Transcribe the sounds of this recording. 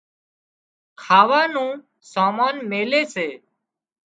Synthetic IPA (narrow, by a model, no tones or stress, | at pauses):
kʰaːʋaːnũː | saːmaːnmeːleːseː